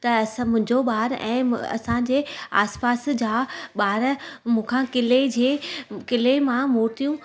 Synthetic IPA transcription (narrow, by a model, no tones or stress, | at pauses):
t̪ɐsmʊ̃ɦɪ̃ɲd͡ʑoɓaːɾɛ̰̃ːɐ̰sãd͡ʑeːa̰ːspaːsd͡ʑaːɓaːɾmũːkʰãkɪled͡ʑeːkɪlemãmoːɾt̪ijũ